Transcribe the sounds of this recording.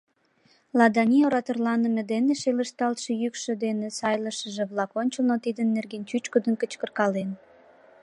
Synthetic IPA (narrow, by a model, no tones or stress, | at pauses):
lɑd̪ɑnʲioɾɑt̪ərlɑnə̆med̪eneʃeləʃt̪ɑlt̪ʃejykʃø̆d̪enesɑjləʃəʒĕβlɑkonʲt͡ɕəlnot̪id̪ənːerɡent͡ɕyt͡ɕkod̪ənkət͡ɕkərkɑlen